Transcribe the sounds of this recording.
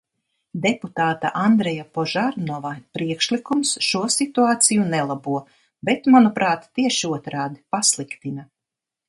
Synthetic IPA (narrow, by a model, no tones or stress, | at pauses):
d̪eput̪aːt̪a̰ʔand̪ɾɛjapɔʒaɾnɔvapɾiɛkʃlˠikumsʃuɔsit̪uaːt̪sijunɛlˠabuɔ | bɛt̪manupɾaːt̪ːiɛʃiuɔt̪ɾaːd̪ipaslˠikt̪ina